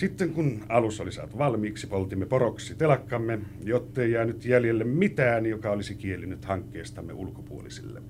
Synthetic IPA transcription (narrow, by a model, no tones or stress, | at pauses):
sit̪ːeŋkunɑlusolisɑ̰ːt̪uʋɑlmiːksipolt̪imːeporoksˑit̪elɑkːɑmːe | jot̪ːeˑijæˑːnyt̪jæljelːemmit̪æːnjokɑolisikielːynyt̪hɑŋkːeːst̪ɑmːḛṵlukopṵo̰lḭsḭlːḛ